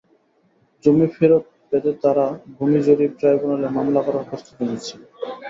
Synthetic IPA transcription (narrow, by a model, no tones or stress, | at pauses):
d͡ʑomifeɾot̪̚bɛt̪et̪aɾabʱumid͡ʑoɾib̚ʈɾajbunalemamlakɔɾaɾkʰɔst̪okenet͡ɕʰe̥